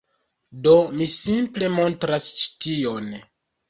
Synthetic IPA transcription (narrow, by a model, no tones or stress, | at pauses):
do̞misimple̞mo̞ntɾast͡ʃi̥tio̞n